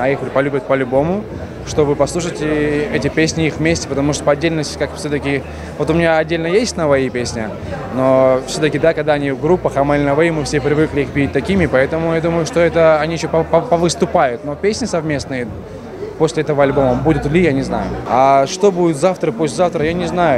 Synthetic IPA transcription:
ɐixlʲpɐlʲubʲət̪̚pəɐlʲʊbo̞mʊ | ʂt̪o̞vɨpɐslˠuʂətʲɪɛtʲɪpʲesʲnʲɪixvmʲesʲtʲɪ̥pət̪ɐmuʂt̪opɐdʲːelʲnəsʲtʲɪ̥kakfsʲot̪əkʲɪ | vo̞t̪ʊmʲɪnʲaɐdʲːelʲnəjesʲtʲnəvɐipʲesʲnʲə | no̞fsʲot̪əkʲɪd̪akɐɡd̪aɐnʲivɡɾupːəxɐmɐlʲnəvɐimɨfsʲepɾʲɪvɨklʲɪixpʲiɪt̚ʲt̪ɐkʲimʲɪpɐɛt̪əmʊjad̪uməjʊʂt̪o̞ɛt̪əɐnʲijɪɕːopppəvɨst̪ʊpajʊt̪no̞pʲesʲnʲɪsɐvmʲe̞snɨjə | posʲlʲɪɛt̪əvəɐlʲbo̞məbud̪ʲʊt̪lʲijanʲɪzna̰jʊ̰aʂt̪o̞budʲɪt̪zaft̪ɾəposʲlʲzaft̪ɾəjanʲɪznajʊ

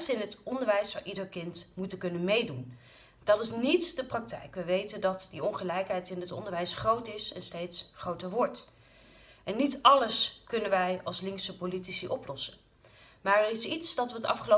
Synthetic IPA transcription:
sɪnɦətɔndəɹʋɛjsfɑ̰nʔidəɹkɪntmutəkɵnənmejdun | d̥ɑtɪsnitdəprɑk̚tɛ̰jkʋəʋejtəndɑtdiɔnχəlɛjkɦɛjtɪndətɔ̰ndəɹʋɛjsχrowtɪsɛ̰nstejtsχrowtəɹʋɔɹt | ɛnːitɑləskɵnənʋɛjɑlˠslɪŋksəpolitisiʔɔplɔsən | maːɹɛrɪsitsd̥ɑtʋətɑ̰fχəlo

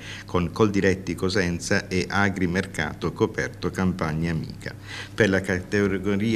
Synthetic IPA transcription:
koŋkold̪iɾɛt̪ːikozɛnt̪saʔeʔaɡɾimerka̰ːt̪okopɛ̰rt̪okampaɲːaːmḭːkʰa̰ | perlakat̪eɡoɾiː

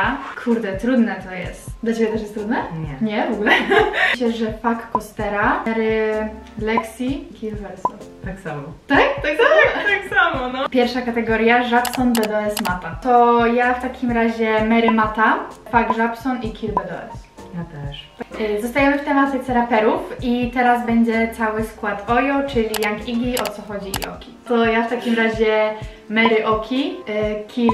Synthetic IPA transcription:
akʰuɾd̪ɛt̪ɾud̪nɛt̪ɔjɛ̰st̪d̪lat͡ɕebʲɛt̪ɛʂ̬jɛst̪ɾud̪nɛɲɛɲɛvɔɡulɛt͡ɕɛʐɛpakːɔst̪ɛɾaɛɾɘ | lɛksʲikʲilvɛɾsɔnt̪aksamɔt̪akt̪aksat̪aksamɔnɔpʲjɛɾfʂakat̪ɛɡɔɾʲjaʐapsɔnbɛd̪ɔɛsmat̪at̪ɔjaft̪akʲimɾaʑɛmɛɾɘmat̪apaɡʐapsɔnikʲʰilbɛd̪ɔ̰ɛ̰s | jat̪ɛʂzɔst̪ajɛmɘft̪ɛmat̪ɛsɛɾapɛɾufit̪ɛɾazbɛɲd͡ʑɛt̪sawɘskwat̪ɔjɔt͡ʂɘlʲijaŋkiɡʲiɔt̪sɔxɔd͡ʑiḭʔɔ̰kʲit̪ɔjaft̪akʲimɾaʑɛ | mɛɾɘʔɔkʲʰikʲi

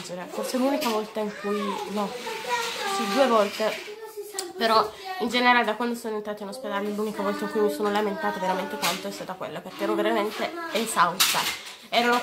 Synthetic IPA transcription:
d͡ʒeɾefoselunikavɔlt̪aiŋkujnɔ | sid̪uevɔlt̪e | peɾɔind͡ʒeneɾaːled̪akwand̪osoːnoent̪ɾaːt̪inosped̪aːlelunikavɔlt̪aiŋkujmsoːnolament̪aːt̪eveɾament̪ek̪ant̪oɛst̪aːt̪akwḛlːaperkeɛɾnoveɾament̪eesawsa̰ | ɛːɾano

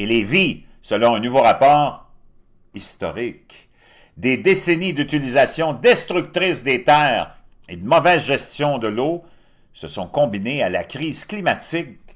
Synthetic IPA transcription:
elevi | səlɔ̃ɛ̃nuvoʁapɔːʁ | ist̪ɔʁɪk | d̪ed̪esenid̪yt̪ilizasjɔ̃d̪ɛst̪ʁyk̚t̪ʁɪsd̪et̪ɛːʁ | ed̪əmɔvɛzʒɛst̪jɔ̃d̪əlo | səsɔ̃kɔ̃binealakʁiːzklimat̪ɪk

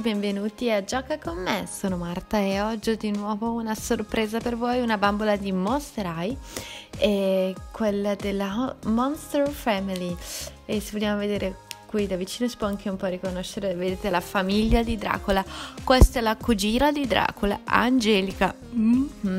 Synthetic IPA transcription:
bɛɱvenuːt̪iad͡ʒɔːkakomːesoːnomart̪aɛɔd͡ʒːid̪inwɔːvounasorpɾeːzapervojunabambolad̪imost̪eɾaj | ɛkwelːad̪elːamɔnst̪ɛɾfɛmiliesevoljaːmoved̪eːɾekwid̪avit͡ʃiːnosi̥pwɔaŋkʰeumpɔrikonoʃːeɾeved̪eːt̪elafamiʎːad̪id̪ɾa̰ːkolakwest̪aɛlakud͡ʒiːnad̪id̪ɾa̰ːkʰola̰a̰nd͡ʒɛːlika

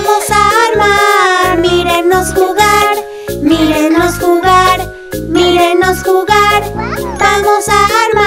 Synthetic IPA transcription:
mosaɾmaɾmiɾenosxuɣaɾ | miɾenosxuɣaɾ | miɾenosxuɣaɾtamosaɾma

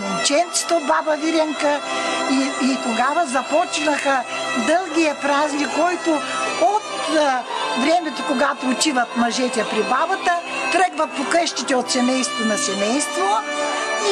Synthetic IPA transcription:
omt͡ʃɛnt̪si̥t̪ɛobabɐviɾɛŋkəiit̪oɡavɐzɐpɔt͡ʃnəxəd̪ɤlˠɡʲiɐpɾaznʲikːɔjt̪ʊot̪ | vɾɛmɛt̪okoɡat̪oːt͡ʃ̪ivɐt̪mɐʒɛt̪ʲɛpɾibabɐt̪ət̪ɾəɡvɐpokɤʃt̪it̪ɛot̪sɛmɛjst̪vonɐsɛmɛjst̪vo | i

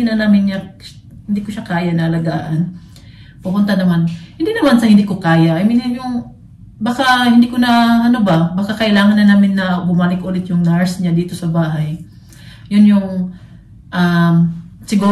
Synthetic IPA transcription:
ɪnɐnaːmɪnɲɐ | hɪnd̪ikʊʃakaːjɐnɐʔɐlɐɡaːʔɐn | pʊpʊnt̪ɐnɐmanhɪnd̪inɐmansahɪnd̪ikokaːjaʔɐjmɪnhɪnjʊŋ | bakahɪnd̪ikonɐʔɐnobɐbakakɐʔɪlaːŋɐnːɐnaːmɪnːɐbʊmalɪkʔoːlɪt̪jʊŋnaɹsɲad̪iːt̪o̞sɐbaːɦɐj | jʊnjʊŋ | ʔamsɪɡuː

